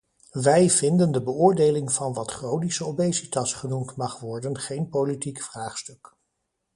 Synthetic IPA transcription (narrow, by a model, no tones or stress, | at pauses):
ʋɛjvɪndəndəbəʊːɹdejlɪŋv̥ɑnʋɑtχrownisəobejsitɑsχənumtmɑχʋɔɹdənχejnpolitikfraːχstɵk